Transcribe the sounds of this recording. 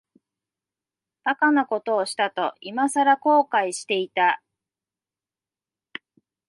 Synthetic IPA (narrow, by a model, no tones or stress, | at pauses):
t̪akanako̞t̪o̞ːɕi̥t̪at̪o̞̰imasaɾako̞ːkaiɕi̥t̪e̞it̪a